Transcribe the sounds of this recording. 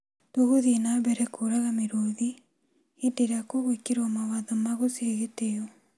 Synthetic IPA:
toɣoðinaβɛɾɛkʰoːɾaɣameɾoði | edeɾakoɣwekeɾɔmawaðɔmaɣoseɣeteo

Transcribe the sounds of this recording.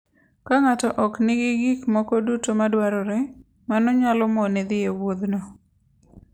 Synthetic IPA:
kaŋatɔʔɔknɪɡɪɡikmɔkɔdutomadwaɾɔɾɛ | manɔɲalɔmɔned̪ɪewod̪nɔ

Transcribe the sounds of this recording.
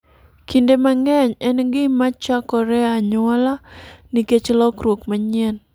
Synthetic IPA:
kʰindemaŋɛɲɛnɡɪmat͡ʃakɔɾɛaɲɔlaniket͡ʃlɔkɾokmaɲɪɛn

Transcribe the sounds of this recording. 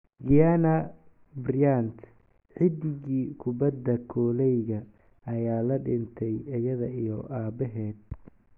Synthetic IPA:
ɡɪjanɐ | brɪjant̪ʰ | ħɪd̪ɪɣiːkʰʊbɐd̪ːɐkʰɔːlɛjɣɐ | ɐjaːlɐɖɪnt̪ʰɛjɐjɐðɐʔijɔʔaːbɛɦɛːd̪̚

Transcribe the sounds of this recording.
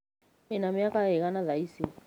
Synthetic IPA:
inamiakaɛɣanaðaisi

